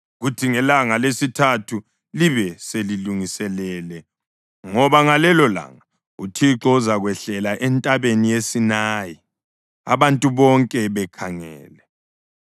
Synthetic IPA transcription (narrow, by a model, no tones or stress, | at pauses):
ɣutʰiŋɛlaŋalesitʰatʰu | liβɛseliluŋisɛlɛlɛ | ŋɔβaŋalɛlɔla̰ŋa | utʰiǁɔuzaɣwɛɬɛlaʔɛntʼaβenijesinaːji | a̰βantʼuβɔŋkʼɛβɛkʰaŋɛ̰ːlɛ